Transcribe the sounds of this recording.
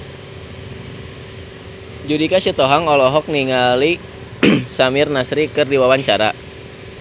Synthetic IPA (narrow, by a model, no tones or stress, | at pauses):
d͡ʒudikasit̪ɔɦaŋɔlɔɦɔk̚niŋali | samɪrnasɾikɨrdiwawaɲt͡ʃaɾa